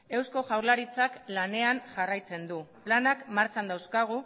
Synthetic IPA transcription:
e̞wsko̞ʝawɾlaɾit͡saklane̞anʝarajt͡se̞nd̪uplanakmaɾt͡sand̪awskaɣ̞u

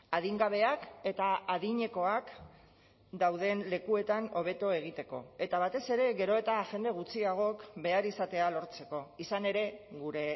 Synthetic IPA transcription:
að̞iŋɡaβ̞e̞ake̞t̪aaðiɲe̞ko̞ak | d̪awðe̞nle̞kue̞t̪ano̞β̞e̞t̪oe̞ɣ̞it̪e̞ko̞e̞t̪aβ̞at̪e̞se̞ɾe̞ɣe̞ɾo̞et̪aʝe̞nd̪e̞ɣ̞ut͡siaɣ̞o̞kbe̞aɾisat̪e̞alo̞ɾt͡se̞ko̞isane̞ɾe̞ɣuɾe̞

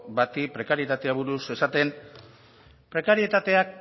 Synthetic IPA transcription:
bat̪ipɾe̞kaɾie̞t̪at̪e̞aβuɾuse̞sat̪e̞n | pɾe̞kaɾiet̪at̪e̞ak̚

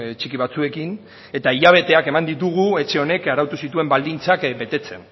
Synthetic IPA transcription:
t͡ʃikiβ̞at͡sue̞kin | e̞t̪aiʎaβ̞e̞t̪e̞ake̞mand̪it̪̬uɣ̞ue̞t͡ʃe̞o̞ne̞kaɾawt̪usit̪ue̞mbald̪int͡sakbe̞t̪e̞t͡se̞̰n

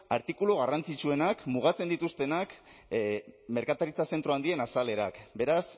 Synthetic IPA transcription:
aɾt̪ikuloɣ̞arant͡sit͡ʃue̞nakmuɣ̞at͡se̞nd̪it̪ust̪e̞nak | me̞ɾkat̪aɾit͡sase̞nt̪ɾo̞and̪ie̞nasale̞ɾakbe̞ɾas

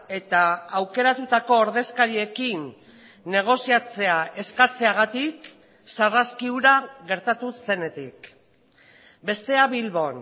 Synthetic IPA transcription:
e̞t̪aːwke̞ɾat̪ut̪ako̞ːɾðe̞skaɾie̞kinː | e̞ɣ̞o̞siat͡se̞aʔe̞skat͡se̞aɣ̞at̪ik | saraskiuɾaɣe̞ɾt̪at̪use̞ne̞t̪ik | be̞st̪e̞aβilβo̞n

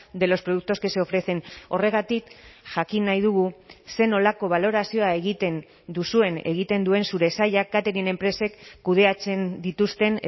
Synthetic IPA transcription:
d̪e̞lo̞spɾo̞ðuk̚t̪o̞skeseo̞fɾe̞θe̞no̞re̞ɣat̪ikʝakinːajð̞uɣ̞use̞no̞lako̞β̞alo̞ɾasio̞ae̞ɣ̞it̪e̞n | d̪usue̞ne̞ɣ̞it̪e̞nd̪ue̞nsuɾe̞saʎak̚ɡat̪eɾiene̞mpɾe̞se̞kːuð̞e̞at͡se̞nd̪it̪ust̪e̞n

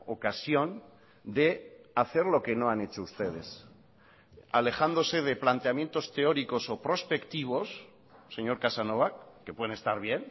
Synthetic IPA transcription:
o̞kasjo̞n | d̪e̞aθe̞ɾlo̞ke̞no̞ane̞t͡ʃo̞ust̪e̞ð̞e̞s | ale̞xand̪o̞se̞ðe̞plant̪e̞amje̞nt̪o̞st̪e̞o̞ɾiko̞so̞pɾo̞spe̞kt̪iβ̞o̞sː | e̞ɲo̞ɾkasano̞βakːepwe̞ðenest̪aɾβ̞je̞n

